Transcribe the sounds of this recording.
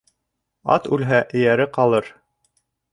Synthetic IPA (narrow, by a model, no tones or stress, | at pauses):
ɑ̰t̪ʉlɦæʔɘ̆jæɾɘqɑlˠɤɾ